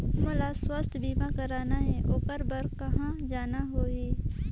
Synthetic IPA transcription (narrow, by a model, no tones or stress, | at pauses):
mʊlaswəst̪biːmakɐɾaːnaɦɛːʔoːkəɾbəɾkɐɦãd͡ʒaːnaɦoːeː